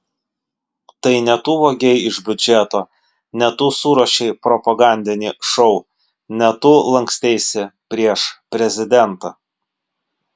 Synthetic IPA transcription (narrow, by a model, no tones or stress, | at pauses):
t̪ɐɪnʲɛt̪uːʋoːɡʲɛɪɪʒbʲʊd͡ʒʲɛt̪oː | nʲɛt̪uːsuːɾoːʃʲɛɪpɾɔpɐɡɑˑnʲd̪ʲɪnʲiːʃɔʊ | nʲɛt̪uːlˠɐŋksʲt̪ʲɛɪsʲɪpʲɾʲiɛʃpʲɾʲɛzʲɪd̪ʲɛnt̪ɐ